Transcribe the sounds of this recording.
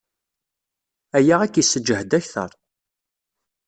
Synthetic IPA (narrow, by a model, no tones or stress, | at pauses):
æjaʁækːisːəd͡ʒːəhd̪æçθə̰ɾˤ